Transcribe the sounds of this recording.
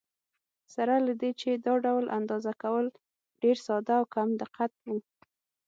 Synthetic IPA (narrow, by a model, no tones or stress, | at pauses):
saɾalad̪et͡ʃed̪ɑɖawlʔa̰nd̪ɑzakawəl | ɖeɾsɑd̪aːwkamd̪ɪqat̪̚wu